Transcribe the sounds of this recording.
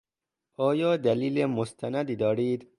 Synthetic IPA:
ɒːjɒːd̪æliːlemost̪ʰænæd̪iːd̪ɒːɾiːd̪

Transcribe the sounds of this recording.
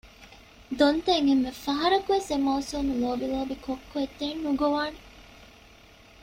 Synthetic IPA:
d̪ont̪eŋɦemːefɐɦɐɾɐkuʋesemɐusuːmuloːbiloːbikokːoet̪ːeːnːuɡoʋaːne

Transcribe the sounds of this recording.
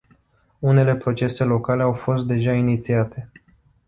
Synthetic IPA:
une̞le̞pɾo̞t͡ʃe̞se̞lo̞kale̞awfo̞st̪̚d̪e̞ʒainit̪siat̪e̞

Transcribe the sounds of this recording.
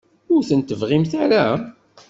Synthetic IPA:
ʊɾθənt̪əvʁimθaɾæ

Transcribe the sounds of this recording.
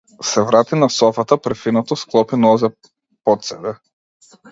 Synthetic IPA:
sɛvɾat̪inasɔfat̪apɾɛfinɔt̪ɔsklˠɔpinɔzɛ | pɔt̪sɛbɛ

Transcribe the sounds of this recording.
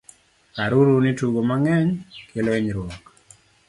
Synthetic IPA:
kaɾuɾunituɡomaŋɛɲkeloeɲɾwɔk

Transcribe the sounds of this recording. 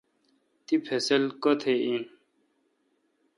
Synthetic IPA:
t̪ipʰeselkot̪ʰein

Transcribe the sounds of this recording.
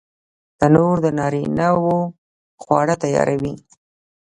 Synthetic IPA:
d̪̥ənoɾd̪ənɑɾinawo | xwɑɽət̪ajɑ̰ɾʔawi

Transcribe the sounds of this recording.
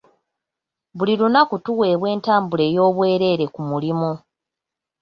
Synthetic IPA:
βulilunakutuwe̞ːβwe̞ːntaːmbule̞ːjo̞ːβwe̞ːɾe̞ɾe̞kumulimu

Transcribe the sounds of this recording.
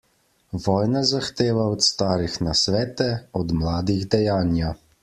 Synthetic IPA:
ʋɔːjnazaxt̪eːʋaɔt̪st̪aːɾixnasʋɛːt̪ɛɔd̪mlaːd̪iɣd̪ɛjaːnja

